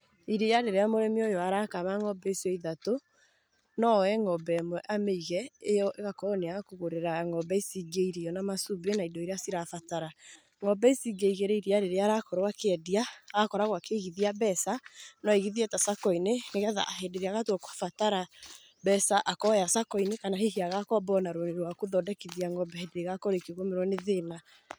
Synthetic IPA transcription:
iɾeaɾeɾeamoɾɛmiojɔaɾakamaŋɔbɛsɛiðato | nɔɛŋɔbɛmwɛʔameiɣɛejɔʔeɣakɔneaɣkoɣoɾeɾaŋɔbɛisiɡeiɾijɔnamasubenaidɔiɾeasiɾafataɾa | ŋɔbɛisiɡeiɣeɾeiɾiaɾeɾeaɾakɔɾwakeɛdiaakɔɾaɣwakeɣiðiabɛsanɔeɣiðiɛtasakɔineŋeɣɛða̰ʔaɦedeɾeaɣatwɔkwḁfataɾa | bɛsaʔakɔjasakɔinekanaɦeɦiaɣakɔbɔnaɾoneɾwakoðɔdɛkiðiaŋɔbɛɛdeɣakɔɾekiɣomeɾwɔneðena

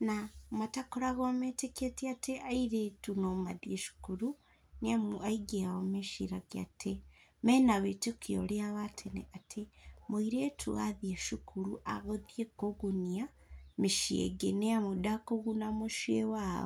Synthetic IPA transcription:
namatakoɾaɣometeketiateʔaiɾetunomadieʃu̥kuɾu | neamaiɡeaomeʃiɾaɡea̰temenaβetukjo̰leaβatʰenḛʔatʰemoiɾetʰṵaðieʃukʰuɾuʔaɣoðjekoɣunia | miʃiḛɡeneamudakoɣunamoʃiewaβa

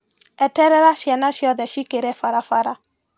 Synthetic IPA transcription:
ɛtɛɾɛɾaʃjɛnaʃjɔðɛʃikeɾɛfaɾafaɾa

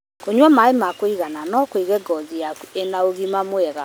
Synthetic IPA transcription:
koɲɔmaemakweiɣananɔkweɣɛɡɔziaenaoɣimamwɛɣa

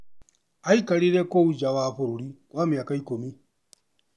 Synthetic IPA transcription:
aikaɾiɾekouɟawaɸuɾuɾikwamiakaikomi

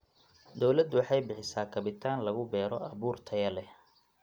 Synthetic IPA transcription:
d̪ɔwlɐd̪ʊwɑħɑjbɪħɪsaːkʰɐβɪt̪ʰaːnlɐɣʊbɛːɾɔʔɐβuːrt̪ʰɐjɐlɛ

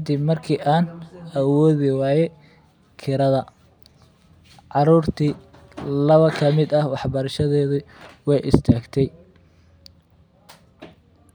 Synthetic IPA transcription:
kʰɐd̪ibmɐrkʰiːʔaːnɐwɔːðɪwɑːjɛ | kʰɪɾɐðɐ | ʕɑɾuːrt̪ʰiː | lɐβɐkʰɐmɪd̪ɐhwɑħbɐɾɐʃɐðɛːðɪwɛjʔɪ̰st̪ʰaːɡt̪ʰɛj

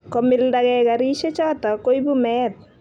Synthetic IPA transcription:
kɔmɪldaɡɛɡaɾiʃet͡ʃaːt̪akojbumɛːt̪̚

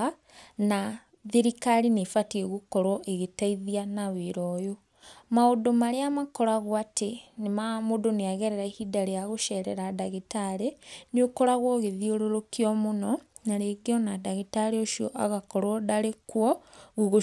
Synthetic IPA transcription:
a | na | ðeɾikaɾinefatieɣukɔɾwɔʔeɣetaiðianaweɾɔjo | maodomaɾeamakɔɾaɣwatʰenemamodoneaɣɛɾɛɾaihidaɾejaɣoʃɛɾɛɾadaɣitaɾeneokoɾaɣwɔɣeðioɾoɾokiɔmonɔ | naɾeɡeɔnadaɣitaɾeoʃiɔ̰ʔaɣakɔɾɔdaɾekwɔɣuɣo

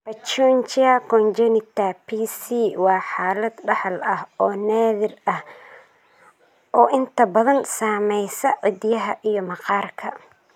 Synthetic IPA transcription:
bɐt͡ʃɔnt͡ʃɪɐkɔnd͡ʒɛnɪt̪ʰɐpʰiːsiːwɑːħaːlɐd̪ɖɑħɐlɐhɔːnaːðɪrɐh | ʔɔːʔɪnt̪ʰɐbɐðɐnsaːmɛjsɐʕɔd̪jɐɦɐʔijɞmɐqɑːrkʰɐ

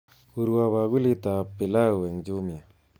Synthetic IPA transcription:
uɾwaβaɣulit̪apːilaweŋd͡ʒumja

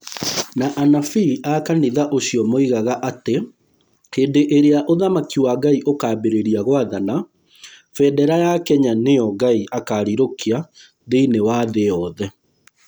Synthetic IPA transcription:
naʔanafiakaniðaʔoɕiɔmoiɣaɣaʔate | keːndeʔeɾeaʔoðamakiwaɡaiʔokaːbeɾeɾiaɣowaðana | fɛdɛɾajakɛɲanejɔɡaiʔakaːɾiɾokia | ðeinewaðeɔðɛ

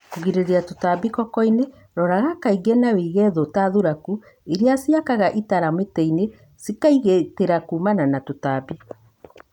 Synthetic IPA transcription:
kuɣiɾeɾeatotabikɔkɔine | ɾɔɾaɣakaiɡɛnaweiɣɛðotaðuɾaku | eɾeasjakaɣaʔitaɾametɛine | sikaiɣeteɾakuːmananatotabi

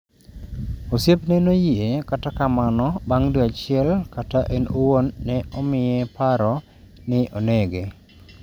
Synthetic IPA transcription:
osjepnɛnojiekatakamanɔbaŋduat͡ʃɪɛlkataʔɛnowonːɛɔmɪjɛpaɾɔ | nɪʔonɛɡe

